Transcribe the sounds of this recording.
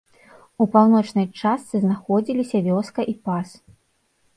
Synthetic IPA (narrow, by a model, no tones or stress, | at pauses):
upawnɔt͡ʂnɐjt͡ʂast̪sɨznaxɔd͡zʲilʲisʲɐvʲɔskɐʔipas